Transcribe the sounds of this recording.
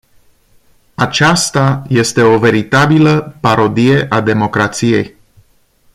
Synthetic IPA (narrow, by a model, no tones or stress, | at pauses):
at͡ʃast̪aje̞st̪e̞o̞ve̞ɾit̪abiləpaɾo̞d̪ije̞ʔad̪e̞mo̞kɾat̪sije̞̰j